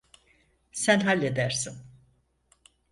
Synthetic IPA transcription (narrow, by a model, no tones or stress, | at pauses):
sænɦalʲːed̪æɾ̥sin